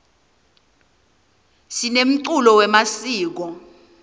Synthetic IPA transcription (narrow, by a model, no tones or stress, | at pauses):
sinem̩ǀulɔwɛmasiːk̬ɔ